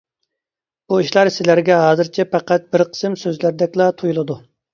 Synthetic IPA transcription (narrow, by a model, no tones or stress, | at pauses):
b̥uiʃlˠɑɾsɪlæɾɡʲɛɦɑːzɨɾt͡ʃʰɛpɑqæt̪̚bɪɾqʰə̥sɨmsøzlæɾd̪ɛkʲlˠɑt̪ʰujulˠɨd̪u